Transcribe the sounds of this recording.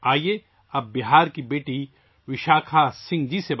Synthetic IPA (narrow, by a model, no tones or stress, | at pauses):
aːie | ɐbːɪɦaːɾkibeːʈi | ʋɪʃaːkʰasɪ̃ŋɡd͡ʒiseb